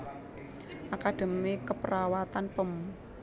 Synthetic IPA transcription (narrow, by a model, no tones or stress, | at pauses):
ʔakad̪̥e̤mikəpəɾawat̪anpəm